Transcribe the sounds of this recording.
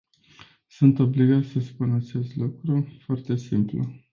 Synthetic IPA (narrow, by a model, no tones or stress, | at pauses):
sunt̪o̞bliɡat̪sʲəspunat͡ʃe̞st̪lukɾufoart̪e̞simplṵ